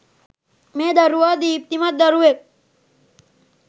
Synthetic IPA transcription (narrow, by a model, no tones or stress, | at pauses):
mẽːd̪ɐɾuʋɐd̪iːp̚t̪imɐt̪̚d̪ɐɾuʋek̚